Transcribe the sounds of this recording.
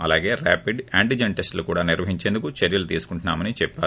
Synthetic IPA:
ɐlaːɡe̞ːɾa̰ːpiɖaːɳʈid͡ʒeɳʈesʈlukuːɽaːniɾʋɐɦiɲt͡ʃe̞ːnd̪ukut͡ʃeɾjɐlut̪iːsu̥kuɳʈunːa̰ːmɐnit͡ʃɛpːaːɾu

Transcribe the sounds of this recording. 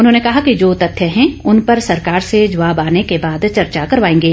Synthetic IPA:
ʊnɦõːnekɐɦakid͡ʒoːt̪ɐt̪ʰːjəɦɛ̃ʊnpɐɾsɐɾkaːɾsed͡ʒɐʋaːbaːnekebaːd̪t͡ʃɐɾt͡ʃakɐɾʋaːẽːŋɡeː

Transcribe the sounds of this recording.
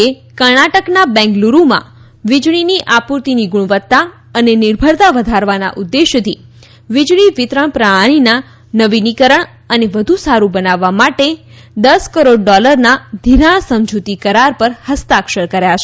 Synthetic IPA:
e | kəɾnaʈəknabɛ̃ŋɡluɾũmã̰ | ʋid͡ʒɽ̃iniʔapuɾt̪iniɡuɽ̃ʋət̪ːa | ənenɪɾbʱəɾt̪aʋəd̪ʱaɾʋana̰ʔud̪ːeʃt̪ʰi | ʋid͡ʒɽ̃iʋɪt̪ɾəɳ̃pɾaɭɽ̃ina | nəʋinikəɾəɳ | əneʋəd̪ʱusaɾubənaʋːamaʈe | d̪əskəɾoɖɖɔləɾnad̪ʱiɾaɳ̃səmd͡ʒut̪ikəɾaɾpəɾhəst̪akʃəɾkəɾjat͡ʃʰe̥

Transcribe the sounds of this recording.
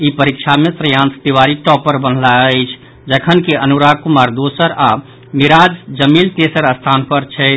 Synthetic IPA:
ipəɾikʃʰamesɾəjant̪ʰt̪iwaɾiʈɔpːəɾbənlaəɪt͡ʃʰ | d͡ʒəkʰənkeʔənuɾakumaɾd̪osəɾa | miɾad͡ʒd͡ʒəmilt̪esəɾəst̪ʰanpəɾt͡ʃʰɛ

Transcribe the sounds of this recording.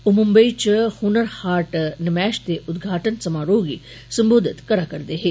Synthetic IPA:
ʊmʊmbəit͡ʃhunəɾhaːɾʈnɐmɛːʃt̪eʔʊd̪ɡʱaːʈənsɐmaːɾoːɡḭː | sɐmboːd̪ʱɪt̪kɐɾakɐɾd̪eːɦe

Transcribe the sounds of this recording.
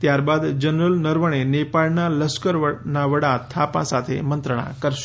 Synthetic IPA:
t̪jaɾbad̪d͡ʒənɾəlnəɾʋəɳ̃enepalnaləskəɾʋənaʋəɽat̪ʰapã̰sat̪ʰḛmənt̪ɾəɳ̃ã̰kəɾʃ

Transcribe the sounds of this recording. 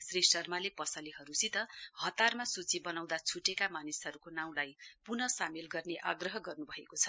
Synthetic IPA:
srisʌrmalepʌsʌliɦʌɾusit̪ʌhʌt̪armasut͡sibʌnaw̃d̪at͡sʰuʈekamanisʌɾukonaw̃lajpunʌsamilɡʌrneʔaɡrʌɦʌɡʌrnubʱʌekot͡sʰʌ̥

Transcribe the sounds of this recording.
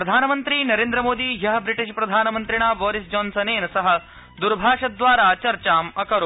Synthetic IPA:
pɾɐd̪ʱaːnəmənt̪ɾiːnɐɾeːnd̪ɾəmoːd̪iːjɐɦbɾiʈiʃpɾɐd̪ʱaːnəmənt̪ɾiɽ̃aːbɔːɾisd͡ʒɔːnsɐneːnɐsɐɦə̆ | d̪uɾbʱaːʂɐd̪ʋaːɾat͡ɕɐɾt͡ɕaːmɐkɐɾo

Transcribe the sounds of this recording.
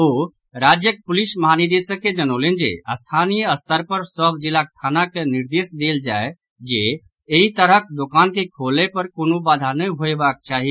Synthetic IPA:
o | ɾad͡ʒjək̚pulisməɦanid̪esəkːed͡ʒənəlend͡ʒḛəst̪ʰanijəəst̪əɾpəɾsəbd͡ʒilakt̪ʰanakeniɾd̪esd̪eld͡ʒae | d͡ʒe | eɦit̪əɾək̚d̪okankekʰolepəɾkonobad̪ʱanəɦoebakt͡ʃaɦi

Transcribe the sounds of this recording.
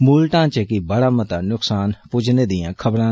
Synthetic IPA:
muːlʈãːt͡ʃekɪbəɽaːmət̪aːnʊksaːnpʊd͡ʒneːd̪ɪjãːkʰəbɾãː

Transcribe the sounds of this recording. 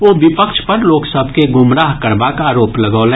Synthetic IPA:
ʋoːʋɪpəkʃpɐɾloːksəbʱkeɡʊmɾaːɦkɐɾbaːkaːɾoːplɐɡoːlɛ̃ː

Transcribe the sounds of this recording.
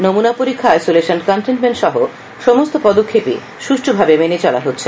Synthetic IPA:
nomunapoɾikʰːaajsoleʃonkɔnʈenʈmenʈʃɔɦo | ʃɔmost̪opɔd̪okʰːepḭ | ʃuʃʈʰobʱabemenet͡ɕɔla̰ɦotːɕʰe

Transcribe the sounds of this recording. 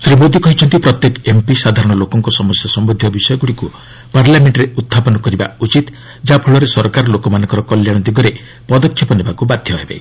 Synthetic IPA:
sɾimod̪ikɔɦit͡ʃʰɔnt̪ipɾɔt̪jekempisad̪ʱaɾɔɽ̃ɔlokɔŋkɔsɔmɔsjɔsɔmbod̪ʱjɔbisɔjɔɡuɽiku | paɾljameɳʈɾeut̪ʰːapɔnɔkɔɾiba̰ut͡ʃit̪ | d͡ʒapʰuɭɔɾesɔɾkaɾɔlokɔmanɔ̃ŋkɔɾɔkɔljaɽ̃ɔd̪iɡɔɾe | pɔd̪ɔkʰːjipɔnebakubad̪ʱjɔɦebḛ

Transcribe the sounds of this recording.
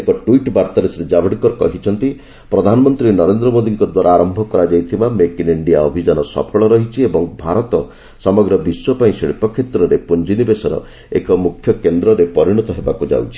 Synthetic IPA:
ekɔʈwiʈbaɾt̪aɾesɾed͡ʒabʱiɽkɔɾkɔɦit͡ʃʰɔnt̪i | pɾɔd̪ʱanɔmɔnt̪ɾinɔɾend̪ɾɔmod̪iŋkɔd̪waɾaːɾɔmbʱɔkɔɾad͡ʒajt̪ʰibamekiniɳɖijaɔbʱid͡ʒanɔsɔ̰pʰɔɭɔɾɔɦit͡ʃʰiebɔŋbʱaɾɔt̪ɔ | sɔmɔɡɾɔbiswɔpaĩseɽipɔkʰet̪ɾɔɾepund͡ʒinibesɔɾɔ̰ | ekɔmukʰːjɔkend̪ɾɔɾepɔɾiɽ̃ɔt̪ɔɦebakud͡ʒa̰wt͡ʃʰi̥

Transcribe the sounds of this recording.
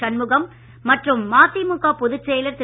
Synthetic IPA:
ɐnmɯɣɐmː | ɐʈrɯmːaːt̪imʊɣaːpʊðɯt͡ʃɾejlɐɾt̪ɪ

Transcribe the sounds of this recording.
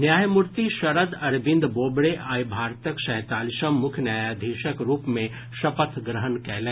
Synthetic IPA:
njaːjmʊɾt̪iʃɐɾəd̪ɐɾbɪ̃nd̪boːbɽeʔaːjbʱaːɾt̪əkʃɛ̃ːt̪aːliʃəmːʊkʰjnjaːjad̪ʱiːʃəkɾuːpmẽ | ʃɐpət̪ʰɡɾəɦənkɛːlẽː

